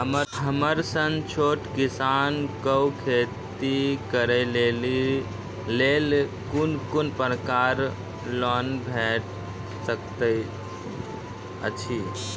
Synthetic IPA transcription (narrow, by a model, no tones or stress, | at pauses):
ɦəməɦəməɾsənt͡ʃʰoʈkisankəwkʰett̪ikəɾəleli | lel | kunkunpɾəkaɾ | lɔnbʱɛʈ̚ | səkt̪ə | ə̰t͡ʃʰi